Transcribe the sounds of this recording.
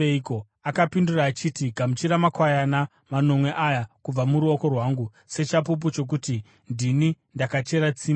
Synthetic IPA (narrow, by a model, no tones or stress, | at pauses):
eko | akapinduraːt͡ʃitiɡʱamut͡ʃiɾamakwajana | mano̞mwe̞ʔajakub͡vamuɾuoko̞rwaːŋɡu | se̞t͡ʃap̬up̬ut͡ʃo̞k̬uti | ndini | ndakat͡ʃe̞ɾat͡siːma